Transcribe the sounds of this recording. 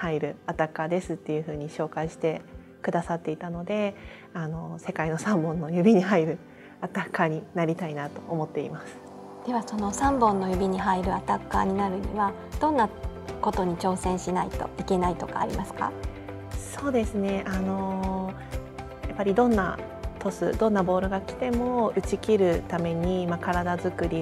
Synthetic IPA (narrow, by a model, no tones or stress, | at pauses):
haiɾɯ̟at̪akːad̪e̞sɨt̪ːe̞jɯ̟ɸɯ̟ːɲ̟iɕo̞ːkaiɕi̥t̪e̞ | kɯ̟d̪asat̪ːe̞it̪ano̞d̪e̞ | ano̞se̞kaino̞sãmbõ̞nːo̞jɯ̟bʲiɲ̟iɦaiɾɯ̟ | at̪akːaɲ̟inaɾʲit̪ainat̪o̞ːmo̞t̪ːe̞ḭmasɨ̥ | d̪̥e̞βaso̞no̞sãmbõ̞nːo̞jɯ̟bʲiɲ̟iɦaiɾɯ̟at̪akːaɲ̟inaɾɯ̟ɲ̟ḭβa | d̪̥õ̞nːako̞t̪o̞ɲ̟it͡ɕo̞ːsẽ̞ɰ̃ɕinaḭt̪o̞̰ike̞nait̪o̞ka̰ːɾʲḭmasɨ̥ka̰ | so̞ːd̪e̞sɨne̞ʔano̞ | japːaɾʲid̪õ̞nːa̰ | t̪o̞sɨ̰d̪õ̞nːabo̞ːɾɯ̟ɡakʲi̥t̪e̞mo̞ɯ̟t͡ɕikʲiɾɯ̟t̪ame̞ɲ̟imakaɾad̪azɨkɯ̟ɾʲi